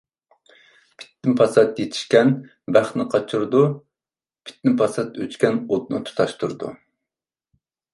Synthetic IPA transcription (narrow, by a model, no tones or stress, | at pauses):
pʰi̥t̪ːɪmpʰɑsɑt̪jet̪ʰɪ̥ʃkʲɛn | bæχnɨqʰɑt͡ʃʰuɾd̪u | pʰi̥t̪nɪpʰɑsɑt̪øt͡ʃkʲʰɛnot̪̚nɨ̰t̪ʰu̥t̪ʰɑʃt̪ʰuɾɨd̪ṵ